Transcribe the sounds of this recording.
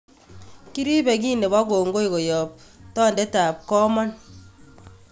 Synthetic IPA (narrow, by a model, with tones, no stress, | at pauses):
ki˦ɾi˦bɛ˨ki˦ne˨βa˦koː˨ŋɡo˦i˨ko˨jɔ˨p̚tɔː˦˨ndɛ˦taː˨p̚kɔ˦ma˦n